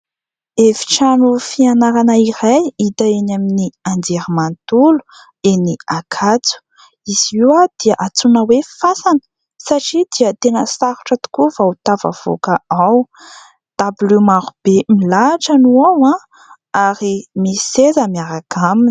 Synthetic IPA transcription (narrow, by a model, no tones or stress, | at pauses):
efi̥ʈ͡ʂanufianaɾanəiɾajit̪aenaminiand͡zeɾimant̪ulu̥ | eniakʰat͡su̥ | iz̥iwad̪̥iaʔat͡sunəwefasanə̥ | saʈ͡ʂid̪iət̪enəsaɾuʈ͡ʂət̪u̥kuvaut̪ava̰v̥o̰kaaw | d̪̥abulimaɾub̥emilaʈ͡ʂanuawã | aɾimisezəmiaɾaɡʰamin